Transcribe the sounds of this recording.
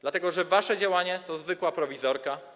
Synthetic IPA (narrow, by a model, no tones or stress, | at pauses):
d̪lat̪ɛɡɔʐɛvaʂɛd͡ʑawaɲɛt̪ɔzvɘkwapɾɔvʲizɔɾka